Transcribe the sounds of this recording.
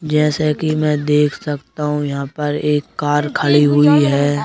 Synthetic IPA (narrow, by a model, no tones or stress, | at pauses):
d͡ʒɛːsekimɛ̃ːd̪eːkʰsɐkt̪aɦũjɐɦãpɐɾeːkːaːɾkʰəɭiɦʊiɦɛː